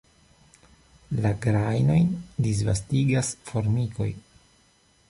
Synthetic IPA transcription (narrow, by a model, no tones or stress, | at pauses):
laɡɾajno̞jndis̬va̰stiɡasfo̞ɾmiko̞̰j